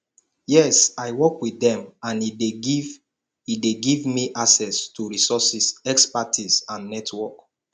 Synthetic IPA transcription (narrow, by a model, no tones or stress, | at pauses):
jɛsaɪwɔkwiðɛ̃mãnideɡiv | ideɡivmiʔasɛstʰuɹisɔsisɛkspatʰisãnːɛtʰwɔk